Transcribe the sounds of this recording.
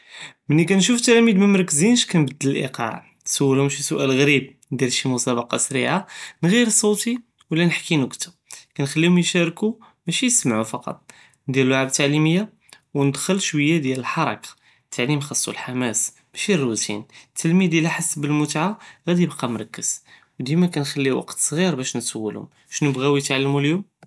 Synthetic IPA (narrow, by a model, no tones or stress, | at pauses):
mənːik̬ænʃuft̪ːælæmid̪məmɾˤɑkːəzinʃkænbəd̪ːələlʔḭqɑ̰ʕ | nsuwːəlʊmʃisuʔælɣɾib̚ | d̪ælʃimʊsɑbɑqɑsɾiʕanɣiɾsˤːot̪i | wəlːænəħkinukt̪ə | kænxælːihʊmjʃæɾku | mæʃijsəmʕufɑqɑ̰t̪ˤ | nd̪iləlwaʕab̚t̪ːaʕliməjːa | wnəd̪xəlʃwəjːad̪jæləlħɑɾˤɑ̰kḁ | t̪ʰːaʕlimxɑsˤːṵlħamæs | b̥æʃirːut̪ḭnt̪ːəlmid̪jliħasːbəlmʊt̪ʕaɣæd̪iəbqɑmɾˤɑkːəs | wd̪imækænxælːiwɑ̰qt̪sˤɣiɾbæʃnəsəwːəlhʊ̰m | ʃnəbɣæwjət̪ʕalːmuljum